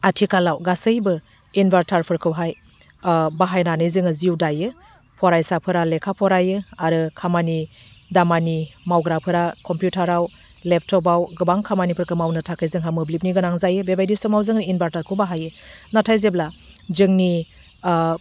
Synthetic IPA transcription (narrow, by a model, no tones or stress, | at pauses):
atʰikalawɡasɯjbɯ | inbaɾtʰaɾpʰɯɾkʰɯwɦaj | baɦajnanɯjzɯŋɯziwdajɯ | pʰɔɾajsapʰɯɾalekʰapʰɔɾajɯaɾɯkʰamani | damanimawɡɾapʰɯɾakɔmpjutʰaɾaw | lep̚ʰtʰɔp̬awɡɯbaŋkʰamanipʰɯɾkʰɯmawnɯtʰakʰɯjzɯŋɦamɯblip̬̚niɡɯnaŋzajɯbebajdisɔmawzɯŋinbaɾtʰaɾkʰɯwbaɦajɯnatʰajzebla | zɯŋni